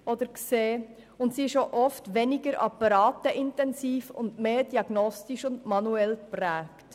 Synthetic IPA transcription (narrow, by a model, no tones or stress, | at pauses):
ɔdəɾkseː | ʊntsiɪʃoʔɔftʋɛniɡəɾʔɑ̰pɑɾɑːtəʔɪntɛnsiːfʊ̰ndmeːɾd̥iɑɡnɔstiʃʊndmɑnuɛlkpɾɛːkt